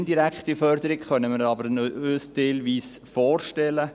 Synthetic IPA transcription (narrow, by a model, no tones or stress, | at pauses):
ndiɾækχtifœrd̪əɾɪkχœnəmɪɾɑbəɾøːsteɪlʋiːsfɔːrʃtɛlə